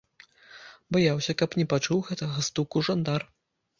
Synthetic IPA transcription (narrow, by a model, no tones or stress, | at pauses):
bajawsʲɐkɐpnʲɛpat͡ʂuwɣɛt̪ɐɣɐst̪ukuʐand̪ar